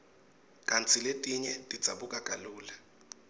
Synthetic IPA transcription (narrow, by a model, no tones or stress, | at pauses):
kʼant͡sʰiletʼiɲɛtʼi̥d͡z̥ʱa̰ɓukʼakʼaluːla